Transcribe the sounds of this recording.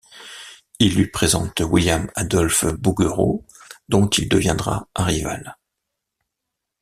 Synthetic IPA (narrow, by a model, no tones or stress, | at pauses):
ilːɥipχezɑ̰̃t̪wiljamad̪ɔlfbuɡøʁo̰d̪ɔ̃t̪ild̪əvjɛ̃d̪ʁa̰ʔãʁiva̰l